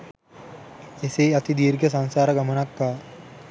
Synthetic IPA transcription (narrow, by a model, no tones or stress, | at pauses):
eseːat̪id̪iːɾɡəs̬ansaːɾəɡamənakːaː